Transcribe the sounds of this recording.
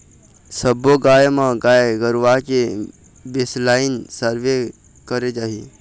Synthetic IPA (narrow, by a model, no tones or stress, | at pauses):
səbːoɡaːemãɡaːeɡəɾʋake | beslaːɪnsəɾʋe | kəɾed͡ʒaːɦie